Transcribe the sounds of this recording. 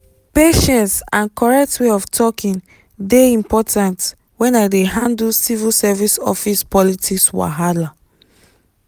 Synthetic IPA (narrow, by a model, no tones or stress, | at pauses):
peʃɛ̃nsãnkɔɹɛk̚tweɔftʰɔkĩn | deĩmpɔtʰãnt | wɛ̃nadeɦãndulsivilsɛvisɔ̰fispɔlitʰikswa̰ɦala